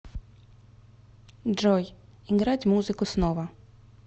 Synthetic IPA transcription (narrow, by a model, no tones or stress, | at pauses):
d͡ʒɔjiŋɡɾɑdʲmuzɪkʊsnɔʋɐ